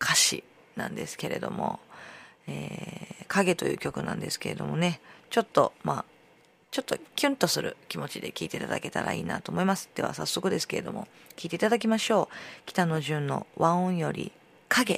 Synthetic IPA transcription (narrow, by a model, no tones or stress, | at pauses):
kʰaɕḭ | nã̰nd̪e̞̰sɨ̥ke̞ɾe̞̰d̪o̞mo̞̰ | eːkʰaɡe̞t̪o̞jɯ̟ːkʲo̞kɯ̟nã̰nd̪e̞sɨ̥ke̞ɾe̞d̪o̞mo̞ne̞t͡ɕo̞t̪ːo̞maː | t͡ɕo̞t̪ːo̞̰kʲɨ̃nt̪o̞sɨɾɯ̟kʲimo̞t͡ɕid̪e̞kʲiːt̪e̞it̪ad̪ake̞t̪a̰ɾa̰iːnat̪o̞ːmo̞imasɨ̥d̪̥e̞βa̰sasːo̞kɯ̟d̪e̞sɨ̥ke̞ɾed̪omo̞ | kʲiːt̪e̞it̪ad̪ak̬ʲimaɕo̞ːkʲi̥t̪ano̞ʑɨ̃nːo̞̰βãõɰ̃jo̞ɾʲḭ | kʰaɡe̞